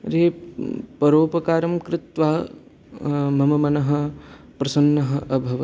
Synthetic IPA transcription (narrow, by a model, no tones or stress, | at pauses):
ɾeːpɐɾoːpɐkaːɾɐmkɾɪt̪ʋaː | mɐmɐmɐnɐɦɐ̆ | pɾɐsɐnːɐɦɐ̆ʔɐbʱɐʋɐ